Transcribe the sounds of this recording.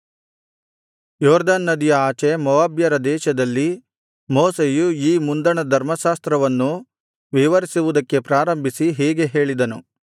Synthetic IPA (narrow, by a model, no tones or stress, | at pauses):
jɔːɾd̪aːnːɐd̪ijɐaːt͡ʃemɐʋaːbjɐɾɐd̪ɛːʃɐd̪ɐlːi | moːsejuiːmund̪ɐɳɐd̪ʱɐɾmɐʃaːst̪ɾɐʋɐnːu | ʋiʋɐɾisiʋud̪ɐkːe̞pɾaːɾɐmbʱisiɦɛːɡe̞ɦe̞ːɭid̪ɐnṵ